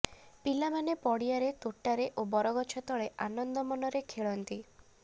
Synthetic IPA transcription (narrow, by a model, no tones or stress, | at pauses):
pilamanepɔɽijaɾet̪oʈːaɾeʔobɔɾɔɡɔt͡ʃʰɔt̪ɔɭeʔanɔnd̪ɔmɔnɔɾekʰeɭɔnt̪i